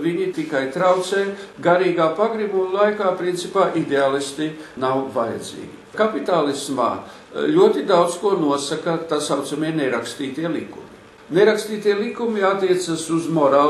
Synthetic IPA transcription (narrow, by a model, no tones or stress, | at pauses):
viɲit̪ikajt̪ɾawt̪seːɡaɾiːɡaːpaɡɾimumlˠajkaːpɾint̪sipaːʔid̪eaːlˠist̪inawvaja̰d̪zḭːɡʲikapit̪aːlˠisma̰ː | lʲuɔt̪id̪awt̪skuɔnuɔsakat̪asawt̪samiɛneɾakst̪iːt̪iɛlikṵmi | neɾakst̪iːt̪iɛlˠikumiat̪ːiɛt̪sasuzmɔɾaː